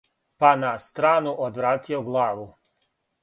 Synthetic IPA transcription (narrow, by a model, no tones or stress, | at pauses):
panast̪ɾaːnuʔod̪ʋɾaːt̪ioɡlˠaːʋu